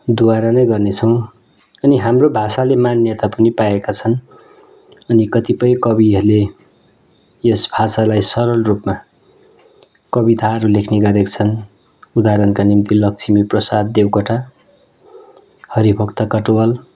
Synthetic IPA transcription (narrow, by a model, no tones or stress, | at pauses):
d̪uaɾʌnʌjɡʌrnet͡sʰʌw̃ | ʌniɦamrobʱasalemanjʌt̪apʌnipaekat͡sʰʌn | ʌnikʌt̪ipʌjkʌbiʌɾle | jesbʱasalajsʌɾʌlrupma | kʌbit̪aʌɾulekʰneɡʌɾekt͡sʰʌn | ud̪aɾʌnkanimt̪ilʌk̚t͡sʰimiprʌsad̪̚ːewkʌʈʰa | hʌɾibʱʌkt̪ʌkʌʈwʌl